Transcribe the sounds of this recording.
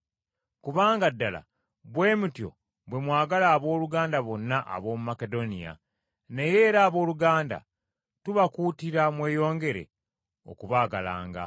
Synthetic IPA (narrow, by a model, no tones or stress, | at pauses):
kuβaːŋɡadːala̰ | βwe̞ːmutjo̞̰ | bwe̞mwaːɡalaːβo̞ːluɡaːndaβo̞nːaʔa̰βo̞ːmumake̞do̞nḭja̰ | ne̞je̞ːɾaːβo̞ːluɡaːnda̰ | tuβakuːtiɾamwe̞ːjo̞ːŋɡe̞ɾe̞̰ | o̞̰kuβaːɡala̰ːŋɡa̰